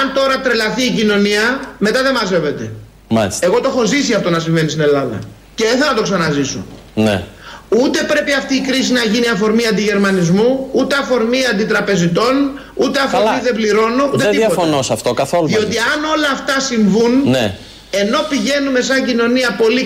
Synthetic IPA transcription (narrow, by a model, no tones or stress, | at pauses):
ɐnt̪o̞ɾɐt̪ɾelɐθiːcino̞niɐme̞t̪ɐðe̞mɐze̞ve̞t̪e̞ | ma̰lise̞ɣo̞t̪oexo̞zisiɐft̪o̞nɐsiɱve̞nist̪ine̞lɐðɐ̰ | ceeθelonɐt̪oksɐnɐziso̰ | nḛut̪e̞pɾe̞piɐft̪iːkɾis̬inɐʝiniɐfo̞ɾmiɐnd̪iʝe̞ɾmɐnizmuut̪e̞ɐfo̞ɾmiɐnd̪it̪ɾɐpe̞zit̪o̞n | ut̪e̞ɐfoɾmiðe̞bliɾo̞nout̪et̪iðɐot̪fonosɐft̪okɐθoluðio̞t̪iɐno̞lɐːft̪ɐsiɱvunne | e̞no̞piʝe̞nume̞s̬ɐɲɟino̞niɐpo̞li